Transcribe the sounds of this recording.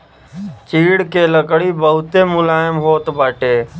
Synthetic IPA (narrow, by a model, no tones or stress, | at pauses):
t͡ʃiːɽkeləkɽibəɦʊt̪emʊlaːjɪmɦoːt̪baːʈeː